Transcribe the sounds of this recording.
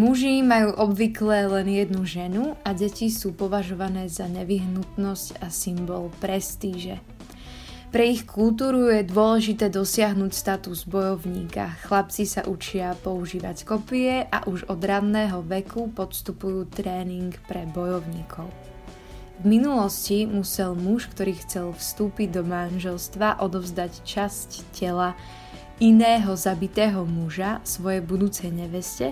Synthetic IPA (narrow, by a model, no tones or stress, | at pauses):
muʒimajuːʔɔbʋiklɛlɛnjɛd̪nuʒɛnuaɟɛcisuːpɔʋaʒɔʋanɛːzaɲɛʋiɦnut̪nɔscasimbɔlpɾɛst̪iːʒɛ | pɾɛixkʰulˠt̪uːɾujɛd̪ʊɔlɛʒit̪ɛːd̪ɔsɪaɦnuːcst̪at̪uzbɔjɔʊɲiːka̰xlap̚t͡sisa̰ʔut͡ʃɪapɔuʒiːʋa̰ckɔpiɛʔa̰ʔuʒɔd̪ɾadnɛːɦɔʋɛkʰupɔt̪st̪upujuːt̪ɾɛːniŋkpɾɛbɔjɔʊɲiːkʰɔʊ | vminulɔscimusɛlmuʃkt̪ɔɾiːxt͡sɛlfst̪uːpiɟd̪ɔmanʒɛlst̪ʋaʔɔd̪ɔvzd̪act͡ʃasccɛla | inɛːɦɔzabit̪ɛːɦɔmuʒasʋɔjɛbud̪uːt͡sɛjɲɛʋɛscɛ